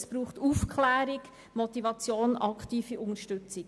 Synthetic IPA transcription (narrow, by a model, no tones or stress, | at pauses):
sb̥ɾuːχtuːfkʰlæːɾɪɡ | mɔt̪ivɑt͡sjoːnɑkχtiːfiʔʊŋəʃtʉt͡sɪ